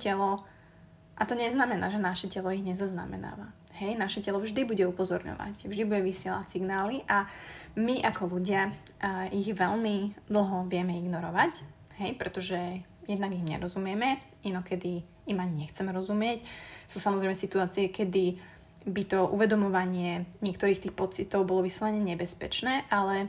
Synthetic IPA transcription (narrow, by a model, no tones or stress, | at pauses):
cɛlɔ | ʔat̪ɔɲɛznamɛnaːʒɛnaʃɛcɛlɔiɣɲɛzazna̰mɛ̰na̰ːʋa | ɦɛjnaʃɛcɛlɔvʒd̪ibuɟɛupɔzɔɾɲɔ̰ʋa̰cvʒd̪ibuɟɛʋisɪɛla̰tsiɡnaːliʔamiʔakɔluɟɪa | iɣʋɛʎmid̪l̩ˠɦɔʋɪɛmɛiɡnɔɾɔʋac | ɦɛjpɾɛt̪ɔʒɛ | jɛd̪naɡimɲɛ̰ɾɔzumɪɛmɛ | inɔkɛd̪i | imaɲiɲɛxt͡sɛmɛɾɔzumɪɛcsuːsamɔzɾɛɪmɛsit̪uaːt͡siɛkɛd̪i | bit̪ɔʔṵʋɛd̪ɔmɔʋaɲɪɛɲɪɛk̚t̪ɔɾiːxt̪iːxpɔt͡sit̪ɔʊbɔlɔʋisɛlaɲɛɲɛbɛspɛt͡ʃnɛːʔalɛ